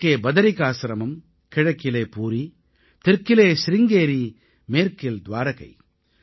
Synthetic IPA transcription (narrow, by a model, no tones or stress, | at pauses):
kːeːbɐðɐɾɪkaːsɪɾɐmɐm | kɪɻɐkːɪleːpuːɾi | t̪ɪɾkːɪleːsɪɾɪŋɡeːɾi | meːɾkɪld̪ʋaːɾɐɣɐ̰ɪ